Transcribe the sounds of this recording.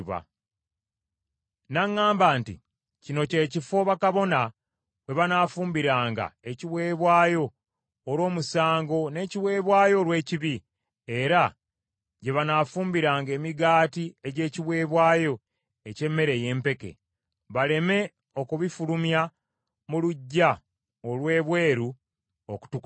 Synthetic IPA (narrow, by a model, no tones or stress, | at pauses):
βa̰ | naŋːaːmbaːntḭ | cino̞ce̞ːcifo̞βakaβo̞na | we̞βanaːfuːmbiɾaːŋɡa̰e̞ciwe̞ːβwaːjo̞ː | ɾwo̞ːmusaːŋɡo̞ne̞ːciβwe̞ːβwaːjo̞ɾwe̞ːciβi | eɾa | ɟe̞βanaːfuːmbiɾaːŋɡe̞ːmiɡaːtie̞ɟe̞ːciβwe̞ːβwaːjo̞ | e̞ce̞mːe̞ɾeje̞ːmpe̞ke̞̰ | βale̞me̞ | o̞kuβifulumja | muluɟːa | olwe̞ːβwe̞ːɾu | o̰ku̥tuk